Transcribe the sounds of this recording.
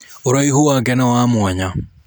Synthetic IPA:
oɾaihowaɡɛnawaːmwaɲa

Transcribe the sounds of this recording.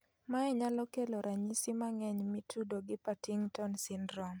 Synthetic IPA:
maɛɲalɔkeloɾaɲisimaŋɛɲmɪtʰudoɡɪpatiŋtɔnsɪnɾɔm

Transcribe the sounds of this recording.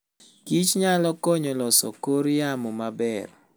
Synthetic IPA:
kit͡ʃɲalɔkɔɲɔlɔsɔ̰koɾjamɔmabɛr

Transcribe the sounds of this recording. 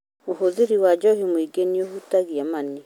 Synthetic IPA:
oɦoðiɾiwad͡ʒɔhimoiɡeniohutaɣiamane

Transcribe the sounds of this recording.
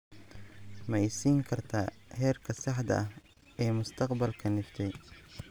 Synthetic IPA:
mɐɪsiːŋkʰɐrt̪ʰaːhɛːrkʰɐsɑħd̪ɐ̰ʔɐh | ɛːmʊst̪ʰɐqbɐlkʰɐnɪft̪ʰɛj

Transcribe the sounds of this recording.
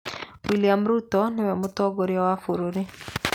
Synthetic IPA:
wiliamɾutɔnewɛmotɔɡoɾjawafuɾoɾe

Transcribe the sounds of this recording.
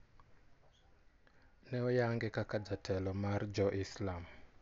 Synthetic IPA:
nɛɔjaŋɡɛkakad͡zatʰɛlɔmard͡ʒɔʔislam

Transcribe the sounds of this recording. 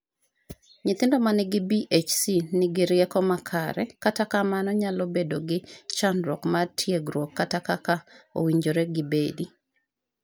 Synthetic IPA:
ɲɪt̪ɪndɔmanɪɡɪbiʔet͡ʃsinɪɡɪɾjɛkɔmakʰaɾɛkatakamanɔɲalobedoɡɪt͡ʃanɾɔkmatʰjeɡɾwokːatakakao̰wiɲd͡ʒoɾɛɡɪbedi

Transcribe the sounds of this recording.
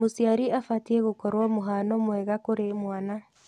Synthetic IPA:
osiaɾiafatiɛɣokɔɾwamoɦanɔmwɛɣakoɾemwana

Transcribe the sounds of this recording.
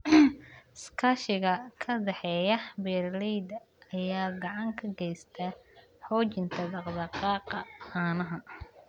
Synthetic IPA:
skʰɐʃɪɣɐkʰɐd̪ɛħɛːjɐbɛːrlɛjd̪ɐː | jaːɡɑʕɑŋkʰɐɡɛjst̪ʰɐ | ħɔːt͡ʃɪnt̪ʰɐd̪ɑqd̪ɑqɑːqɑhɑːnɐɦɐ

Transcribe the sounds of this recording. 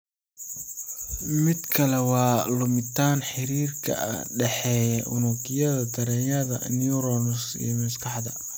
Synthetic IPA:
mɪd̪kʰɐlɛwɑːlʊmɪt̪ʰaːnħɪɾiːrkʰɐ̰ɖɛħɛːjɐʔʊ̰nʊɡɪjɐðɐt̪ʰɐɾɛːjɐðɐ̰niuɾɔːnʊsḭjmɐskʰɑħd̪ɐ̰

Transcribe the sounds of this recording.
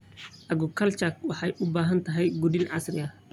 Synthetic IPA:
ʔɐɡʊkʰɐlt͡ʃɐkwɑħɑjʔʊbaːɦɐnt̪ʰɐɦɛjɡudinʕɑsrɪɐ

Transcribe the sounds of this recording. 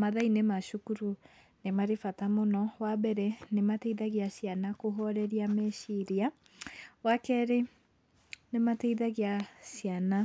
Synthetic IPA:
maðainemaʃukuɾu | nemaɾefatamonɔwabɛɾɛnematɛiðaɣiasjanakoɦɔɾɛɾiamɛʃiɾia | wakɛɾe | nematɛiðaɣeasiana

